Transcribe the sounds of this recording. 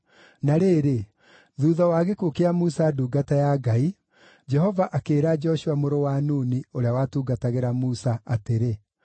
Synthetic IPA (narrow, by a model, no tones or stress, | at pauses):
naɾeːɾe | ðuːðɔwaɣekukeamusaduːɡatajaɡai | d͡ʒɛhɔvaʔakeːɾad͡ʒɔʃuamoɾowanuːnioɾeawatuːɡataɣeɾamusaateɾe